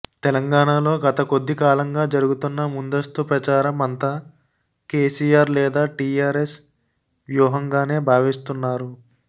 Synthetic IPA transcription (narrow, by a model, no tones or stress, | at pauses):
t̪ɛlɐŋɡaːɳalo̞ːɡɐt̪ɐko̞d̪ːikaːlɐŋɡaːd͡ʒɐɾuɡut̪unːɐmund̪ɐst̪upɾɐt͡ʃaːɾɐmɐnt̪aː | keːsiːjaːɾlɛːd̪aːʈiːaːɾes | ʋjuːɦɐŋɡaːne̞ːbʱaːʋist̪unːaːɾu